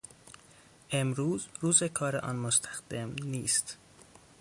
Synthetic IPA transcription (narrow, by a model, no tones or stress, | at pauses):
ʔe̞mɾuːzɾuːzekʰɒːɾeʔɒ̰ːnmost̪ʰæ̥xd̪̥emniːst̪